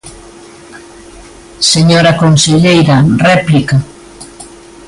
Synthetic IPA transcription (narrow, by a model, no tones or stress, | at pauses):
seɲoɾɐkonseʎejɾɐrɛplikɐ